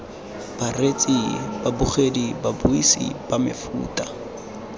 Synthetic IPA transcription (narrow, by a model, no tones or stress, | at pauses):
b̥aret͡sʼib̥abuχedibabuisḭb̥amɪ̰fṵːtʼa